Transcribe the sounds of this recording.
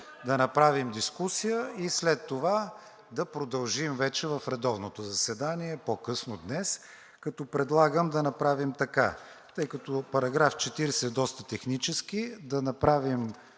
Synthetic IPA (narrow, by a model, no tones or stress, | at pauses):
d̪ɐnɐpɾavimd̪iskusijəislɛt̪ːova | d̪ɐpɾod̪ɐlˠʒimvɛt͡ʃɛvɐfɾɛd̪ɔvnot̪ozɐsɛd̪aniɛpokɤsnod̪nɛs | kɐt̪ɔpɾɛd̪lˠaɡəmd̪ɐnɐpɾavimt̪ɐka | t̪ɤjkɐt̪opɐɾɐɡɾaft͡ʃɛt̪iɾɛsɛd̪ɔst̪ət̪ɛxnit͡ʃɛsk̟id̪ɐnɐpɾavim